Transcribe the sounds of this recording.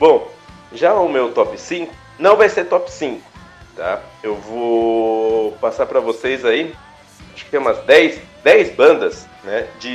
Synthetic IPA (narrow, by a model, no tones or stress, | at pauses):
bõw̃ | ʒaʊmewt̪ɔpɪsĩkʊ̥ | nɐ̃w̃vajseɾt̪ɔpɪ̥sĩŋkʊ̥ | t̪a̰ewvo | pasaɾpɾɐvosejzai | aʃʊkɪ̥t̪ẽj̃ũmɐzd̪ɛjsd̪ɛjzbɐ̃nd̪ɐs | nɛd͡ʒɪ